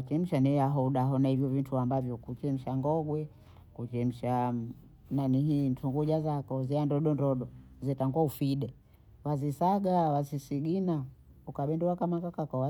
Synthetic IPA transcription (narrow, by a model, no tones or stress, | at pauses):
at͡ʃɛm̩ʃanɛjaɦɔuɗaɦɔnahivjɔvintuambavjɔkut͡ʃɛm̩ʃaŋɡɔɡwɛ | kut͡ʃɛm̩ʃa | naniɦintuŋɡuʄazakɔziandɔɗɔndɔɗɔzɛtaŋɡwaufiɗɛ | wazisaɡawasisiɡinaukaɓɛnduwakamakakakɔwa